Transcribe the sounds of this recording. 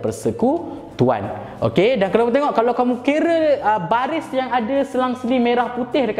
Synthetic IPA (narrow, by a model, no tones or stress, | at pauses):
pərsəku | t̪ua̰n | ʔo̰kedankalamut̪̬eŋɔʔkalawkamũkiɾəəbaɾɪsjaŋadasəlaŋsəlimeɾahput̪ɪhdək